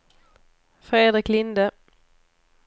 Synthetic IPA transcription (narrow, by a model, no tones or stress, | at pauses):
fɾeːd̪ɾɪklɪnd̪ə